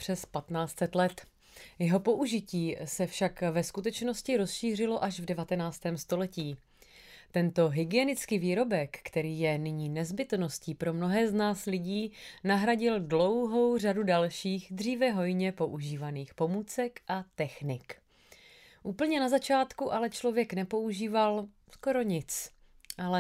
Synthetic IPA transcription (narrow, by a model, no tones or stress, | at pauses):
pr̝̥ɛspat̪naːt͡st̪sɛt̪lɛt̪ | jɛɦo̞po̞ʔuʒɪciːsɛfʃakvɛskut̪ɛt͡ʃno̞scɪɾo̞sʃiːr̝ɪlo̞ʔaʒvdɛvat̪ɛnaːt͡st̪ɛːmst̪o̞lɛciː | t̪ɛnt̪o̞ɦɪɡɪɛnɪt͡skiːviːɾo̞bɛkːt̪ɛɾiːjɛnɪɲiːnɛzbɪt̪no̞sciːpɾo̞mno̞ɦɛːznaːslɪɟiːnaɦɾaɟɪldlo̞wɦo̞wr̝adudalʃiːɣd̪r̝iːvɛɦo̞jɲɛpo̞ʔuʒiːvaniːxpo̞muːt͡sɛkʔat̪ɛxnɪk | ʔuːpl̩ɲɛnazat͡ʃaːt̪kuʔalɛt͡ʃlo̞vjɛknɛpo̞uʒiːval | sko̞ɾo̞ɲɪt͡s | ʔalɛ